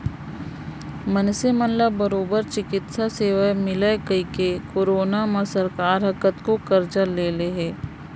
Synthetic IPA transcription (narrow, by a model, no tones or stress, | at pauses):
mənsemənlabəɾoːbəɾt͡ʃɪkɪt̪saseːʋamɪlekəikekoːɾoːnaməsəɾkaːɾɦɐkət̪kokəɾd͡ʒəɾleːleɦɛː